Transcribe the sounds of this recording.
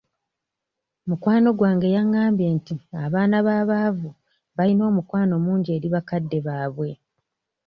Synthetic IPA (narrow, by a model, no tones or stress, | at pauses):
mukwaːno̞ɡwaːŋɡe̞jaŋːaːmbje̞ːntiaβaːnaβaːβaːvu | βajino̞ːmukwaːno̞muːɲɟe̞ːɾiβakadːe̞βaːβwe̞